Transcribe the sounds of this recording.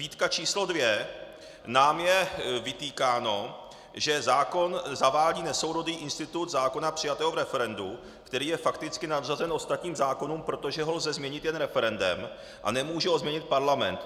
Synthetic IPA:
viːt̪kat͡ʃiːslo̞dvjɛ | naːmjɛvɪt̪iːkaːno̞ | ʒɛzaːko̞nzavaːlɟiːnɛso̞wɾo̞diːʔɪnst̪ɪt̪ut̪zaːko̞napr̝̥ɪjat̪ɛːɦovɾɛfɛɾɛndu | kt̪ɛɾiːjɛfakt̪ɪt͡skɪnavzazɛnʔo̞st̪at̪ɲiːmzaːko̞nuːmpɾo̞t̪o̞ʒɛɦolzɛzmɲɛɲɪt̪jɛnɾɛfɛɾɛndɛ̰m | ʔa̰nɛmuːʒɛozmɲɛɲɪt̪̚paɾlamɛ̰nt̪

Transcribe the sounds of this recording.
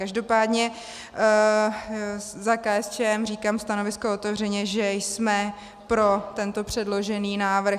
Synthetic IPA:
kaʒdo̞paːdɲɛ | zakaːɛst͡ʃɛːɛmriːkaːmst̪ano̞vɪskoot̪ɛvr̝ɛɲɛʒɛjsmɛ | pɾo̞t̪ɛnt̪o̞pr̝̥ɛdlo̞ʒɛniːnaːvɾ̩

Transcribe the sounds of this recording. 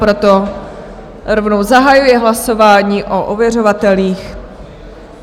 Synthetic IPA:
pɾot̪o | ɾovnowzaɦajujɛɦlaso̞vaːɲiːʔoʔovjɛro̞vat̪ɛliːx

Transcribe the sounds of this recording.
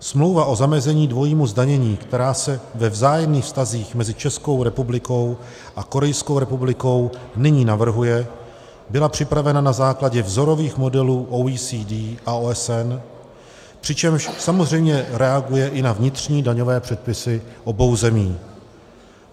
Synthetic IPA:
smlo̞wvaʔo̞zamɛzɛɲiːdvo̞jiːmuzdaɲɛɲiːkt̪ɛɾaːsɛvɛvzaːjɛmniːxfst̪aziːxmɛzɪt͡ʃɛsko̞wɾɛpublɪko̞w | ʔako̞ɾɛjskowɾɛpublɪko̞wnɪɲiːnavr̩ɦujɛ | bɪlapr̝̥ɪpɾavɛnanazaːklaɟɛvzo̞ɾo̞viːxmo̞dɛluːʔowiːsiːdiːʔaoːɛsɛn | pr̥ɪt͡ʃɛmʃsamo̞zr̝ɛjmɲɛɾɛaɡujɛʔɪnavɲɪt̪r̝ɲiːdaɲo̞vɛːpr̝̥ɛt̪̚pɪsɪʔo̞bo̞wzɛmiː

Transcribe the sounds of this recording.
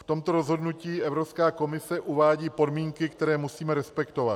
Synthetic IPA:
ft̪o̞mt̪o̞ɾo̞zɦo̞dnuciːʔɛvɾopskaːko̞mɪsɛʔuvaːɟiːpo̞dmiːŋkɪkt̪ɛɾɛːmusiːmɛɾɛspɛkt̪o̞vat̪

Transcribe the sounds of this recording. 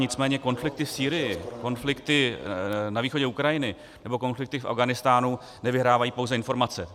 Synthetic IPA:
ɲɪt͡smɛːɲɛko̞nflɪk̚t̪ɪfsiːɾɪjɪko̞nflɪkt̪ɪ | naviːxo̞ɟɛukɾajɪnɪ | nɛbo̞ko̞nflɪk̚t̪ɪfʔa̰vɡanɪst̪aːnu | nɛvɪɦɾaːvajiːpo̞wzɛɪnfo̞ɾmat͡sɛ

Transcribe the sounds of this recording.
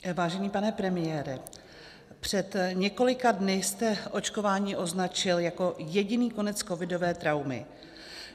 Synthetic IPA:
vaːʒɛniːpanɛpɾɛmɪjɛːɾɪ | pr̝̥ɛt̪ɲɛko̞lɪkadnɪst̪ɛʔo̞t͡ʃko̞vaːɲiːʔo̞znat͡ʃɪljako̞jɛɟɪniːko̞nɛt͡sko̞vɪdo̞vɛːt̪ɾawmɪ̰

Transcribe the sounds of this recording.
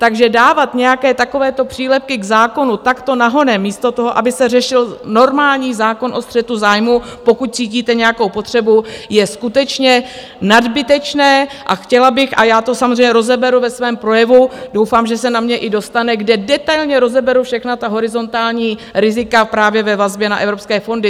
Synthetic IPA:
t̪aɡʒɛdaːvat̪ɲɛjakɛːt̪ako̞vɛːt̪o̞pr̝̥iːlɛp̚kɪɡzaːko̞nut̪akt̪o̞naɦo̞nɛmːiːst̪o̞t̪oɦo̞ʔabɪsɛrɛʃɪlno̞ɾmaːlɲiːzaːko̞nʔo̞st̪r̥ɛt̪uzaːjmupo̞kut̪̚t͡siːciːt̪ɛɲɛjakowpo̞t̪r̝̥ɛbujɛskut̪ɛt͡ʃɲɛ | nadbɪt̪ɛt͡ʃnɛːʔa̰xcɛlabɪxʔa̰jaːt̪o̞samozrɛjɲɛɾo̞zɛbɛɾuvɛsvɛːmpɾo̞jɛvudowfaːmʒɛsɛnamɲɛʔɪdo̞st̪anɛɡdɛdɛt̪ajlɲɛɾo̞zɛbɛɾufʃɛxnat̪aɦo̞ɾɪzo̞nt̪aːlɲiːɾɪzɪkapɾaːvjɛvɛvazbjɛna̰ʔɛvɾo̞pskɛːfo̞ndɪ

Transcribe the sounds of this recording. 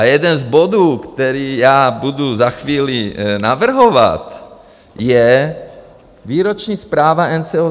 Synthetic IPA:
ajɛd̪ɛnzbod̪uːkt̪ɛɾiːjaːbud̪uzaxʋiːlinavr̩ɦova̰t̪ | jɛ | viːɾot͡ʃɲiːspɾaːvaɛnt͡sɛo

